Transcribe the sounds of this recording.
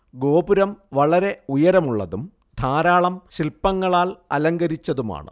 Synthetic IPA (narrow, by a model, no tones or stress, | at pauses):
ɡo̞ːbuɾɐmʋɐɭɐɾe̞ujɐɾɐmuɭːɐ̰ðum | d̪ʱaːɾaːɭɐmɕilpːɐŋːɐɭaːlɐlɐŋɡɐɾit͡ɕːɐðuma̰ːɳɨ̰